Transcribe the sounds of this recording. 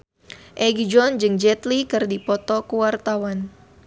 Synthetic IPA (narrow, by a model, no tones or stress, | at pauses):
ʔɛɡid͡ʒɔnd͡ʒɨŋd͡ʒɛt̪likɨrdipɔt̪ɔkuwart̪awan